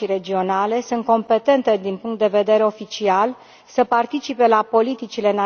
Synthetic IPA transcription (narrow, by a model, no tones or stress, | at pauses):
iɾe̞d͡ʒio̞nale̞sunt̪̚ko̞mpe̞t̪e̞nt̪e̞d̪inpuŋk̚t̪̚d̪e̞ve̞d̪e̞ɾeo̞fit͡ʃial | səpart̪it͡ʃipe̞lapo̞lit̪it͡ʃile̞na